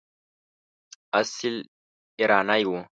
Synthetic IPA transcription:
asil | ɪɾanajwo

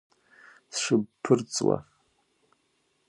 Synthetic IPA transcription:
sʂɨbpʰɨrt͡sʼwa̰

